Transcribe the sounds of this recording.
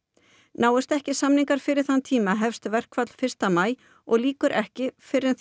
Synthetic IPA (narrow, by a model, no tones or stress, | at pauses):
naːwʏst̪ɛhcɪsamniŋkaɾ̥fɪɾɪɾ̥θanːt̪ʰiːmaɦɛfst̪vɛr̥kvat̪l̥fɪr̥st̪amaːj | ɔɣliːkʏɾʔɛhcɪfɪɾɪnθ